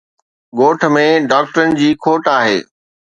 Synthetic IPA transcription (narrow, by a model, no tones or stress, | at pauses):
ɠoːʈʰmẽɖaːk̚ʈəɾənɪ̆d͡ʑiːkʰoːʈaːɦḛː